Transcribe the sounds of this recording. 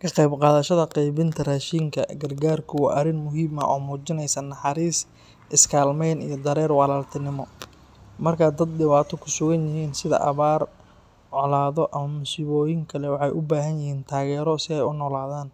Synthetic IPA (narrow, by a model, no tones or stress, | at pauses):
kʰɐqɛjbqɑːðɐʃɐðɐqɛjβɪnt̪ʰɐraːʃiːŋkʰɐɡɐrɡaːrkʰʊwɑ̰ːʔɐrɪnmʊɦiːmɐ̰ʔɔ̰ːmuːt͡ʃɪnɛjsɐnɑħɑɾiːs | ʔɪskʰaːlmɛjnḭjɞd̪ɐɾɛːrwɑlaːlt̪ʰɪnɪmɔ | mɐrkʰaːd̪ɐd̪̚dɪβaːt̪ʰɔkʰʊsʊɣɐnjɪɦiːnsɪðɐ̰ʔɐ̰βaːr | ʕɔlaːðɔʔɐmɐmʊsiːβɔːjɪŋkʰɐlɛwɑħɑjʔʊbaːɦɐnjɪhiːnt̪ʰaːɣɛːɾɔsɪɛjʊnɔːlaːðaːn